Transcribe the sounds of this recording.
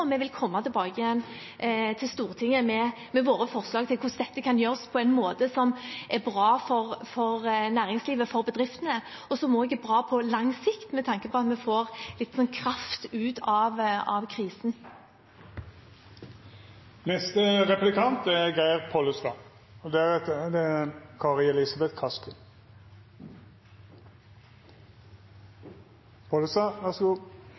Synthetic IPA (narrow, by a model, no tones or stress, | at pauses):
mɛʋɪlkʰɔmːɑt̪ʰɪlbɑːɡəɪjɛnː | t̪ʰɪlst̪uːʁt̪ʰɪŋːəmɛ | mɛʋoːɾəfɔʁslɑːɡ̚t̪ʰɪlkʰʊsd̪ɛt̪ːəkʰɑnjøːʁəspʰɔɛɪnmoːt̪əsɔmæʁbʁɑːfɔʁfɔʁnæːʁɪŋsliːʋəfɔʁbəd̪ʁɪft̪ənə | ɔsɔmɔɛɡəbʁɑːpʰɔlɑŋsɪkt̪mɛt̪ʰɑŋkəpʰɔɑt̪mɛfoːʁlɪt̪ːsɔnkʰʁɑft̪ʉːt̪ʰɑʋɑʋkʰʁiːsn̩ | nɛst̪əʁɛplɪkʰɑnt̪æɡæɪəʁpʰolʉst̪ɑ | ɔd̪ɛæʁt̪d̪ɛækʰɑːʁɪɛlɪsɑbɛt̪kʰɑskə | pʰoləsɑʋæsɡuː